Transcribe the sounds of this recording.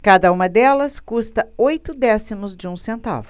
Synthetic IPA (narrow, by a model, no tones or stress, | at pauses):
kad̪ɐũmɐd̪ɛlɐskust̪ɐojt̪ʊd̪ɛsimʊzd͡ʒɪũsẽnt̪a̰vʊ